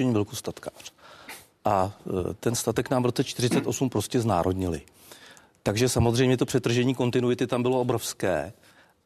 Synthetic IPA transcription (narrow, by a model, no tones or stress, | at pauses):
ɛɲiːvɛlkost̪at̪kḁr̝̥ | ʔat̪ɛnst̪at̪ɛknaːmvɾo̞t͡sɛt͡ʃt̪ɪrɪt͡sɛt̪ʔo̞sumpɾo̞scɛzna̰ːɾo̞dɲɪlɪ̰ | t̪aɡʒɛsamozrɛjmɲɛt̪o̞pr̥ɛt̪ːr̩ʒɛɲiːko̞nt̪ɪnuɪt̪ɪt̪ambɪlo̞ʔobɾo̞fskɛ̰ː